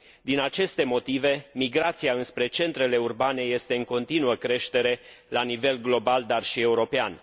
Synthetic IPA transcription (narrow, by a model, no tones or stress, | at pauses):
d̪inat͡ʃe̞st̪e̞mo̞t̪ive̞miɡɾat̪siaɨnspɾe̞t͡ʃe̞nt̪ɾe̞le̞urbane̞je̞st̪e̞ɨŋko̞nt̪inuəkɾe̞ʃt̪e̞ɾe̞ | lanive̞lɡlo̞bald̪arʃie̞uɾo̞pean